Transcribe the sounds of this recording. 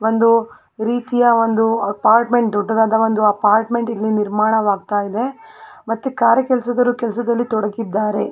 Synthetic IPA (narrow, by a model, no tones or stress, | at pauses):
ʋo̞nd̪u | ɾiːt̪ijɐʋond̪uɐpaːɾʈme̞ɳʈ̚d̪ɔɖːɐd̪aːd̪ɐʋond̪uɐpaːɾʈme̞ɳʈilːiniɾmaːɳɐʋaːɡt̪aːjid̪e̞mɐt̪ːukaːɾjɐkɛlɐsɐd̪ɐɾukɛlɐsɐd̪ɐlːit̪ɔɽɐɡid̪ːaːɾe̞